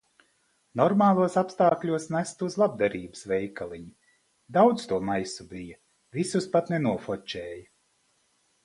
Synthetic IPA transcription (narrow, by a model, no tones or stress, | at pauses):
nɔɾmaːlˠuɔsapst̪aːklʲuɔsnæst̪uzlˠab̚d̪aɾiːbɨ̥svɛjkalˠiɲi | d̪awd̪st̪uɔmajsubijɐ | visuspat̪nenuɔfɔt͡ʃɛːjɐ